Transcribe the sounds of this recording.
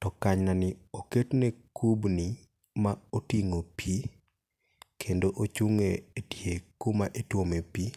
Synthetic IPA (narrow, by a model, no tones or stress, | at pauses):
tɔkaɲnanɪoketnekʰubni | maotiŋopi | kʰendoʔot͡ʃuŋeːdjekomaʔetwomepi